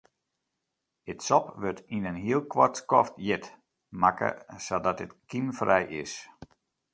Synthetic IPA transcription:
ɪtsɔpʋørtinənɦiəlˠkʋɔtskɔftjɪt | makə̰sɔdɔtətkimfrɛjʔɪs

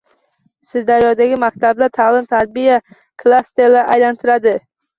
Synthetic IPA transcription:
sɪzd̪aɾjɒd̪aɡʲɪmak̚ʲt̪ʰablat̪ʰaːlɪmt̪ʰaɾbija | kʰlˠast̪eɾlaɾʔajlant̪ʰɪɾad̪ɪ

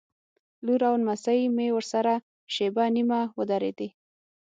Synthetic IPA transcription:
luɾawnmasajmewəɾsaɾa | ʃebanimawəd̪aɾḛd̪i

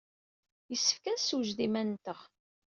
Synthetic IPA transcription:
jəsːə̥fkæsuʒðimænt̪əʁ

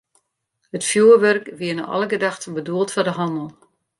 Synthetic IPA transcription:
hətfjuːərʋørkʋiənə̰ʔɑ̰lˠəɡədaxtən̩bəduəlˠtfɔdəɦɑndəlˠ

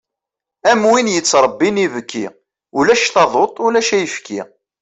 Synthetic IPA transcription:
æmwinjət͡sːɾˤəbːinivəkʰːḭ | ulæʃθɑðˤot̪ˤulæʃæjəfkʰi

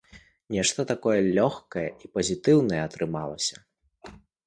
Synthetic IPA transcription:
nʲɛʂt̪ɐt̪akɔjɐlʲɔxkɐjɛʔipɐzʲit̪ɨwnɐjɛɐt̪ɾɨmalˠɐsʲɐ̥

